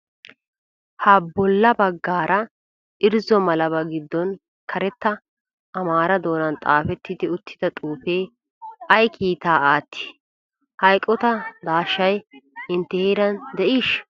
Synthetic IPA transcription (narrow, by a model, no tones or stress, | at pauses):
hɐbɔlːɐbɐɡːaːɾɐ | ʔɪɾzɔmɐlɐβɐɡɪd̪ːɔn | kʰɐɾɛt̪ːɐː | maːɾɐd̪o̞ːnɐnt̪ʼaːfɛt̪ːɪd̪ɪʊt̪ʰːɪ̥d̪ɐt̪ʼuːfe̞ː | ʔɐjkʰiːt̪aːʔaːt̪ʰːɪ̥ː | hɐjkʼːɔt̪ɐd̪aːʃːɐjɪnt̪ːɛheːɾɐnd̪ɛʔiːʃ